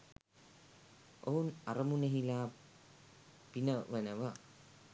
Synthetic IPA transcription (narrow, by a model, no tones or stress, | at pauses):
ounarɐmuneɦilaː | pinɐʋɐnɐʋa